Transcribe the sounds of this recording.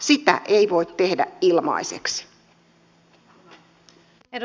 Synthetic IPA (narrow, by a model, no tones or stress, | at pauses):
sit̪æ̰ʔeiʋoit̪te̞hdæ̰ilmɑ̰iseksi̥